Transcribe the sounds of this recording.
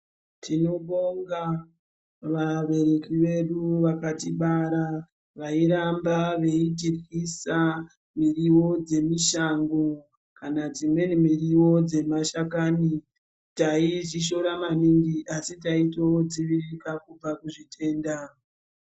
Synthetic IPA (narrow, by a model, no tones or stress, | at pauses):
tʰino̞ɓoŋɡa | ʋaɓe̞ɾe̞kiʋe̞ɗuʋakatiɓaɾa | ʋaiɾambaʋe̞itirisa | miriwo̞d͡ze̞miʃaŋɡo̞ | kanad͡zimwe̞nimiriwo̞d͡ze̞maʃakani | taiʐiʃo̞ɾamanindiʔasitaito̞d͡ziʋirikakub͡vakuʐitʰe̞ːnda